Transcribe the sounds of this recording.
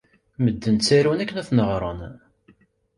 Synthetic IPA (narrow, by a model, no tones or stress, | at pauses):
məd̪ːənt͡sːæɾunækːnæθnəʁɾˤən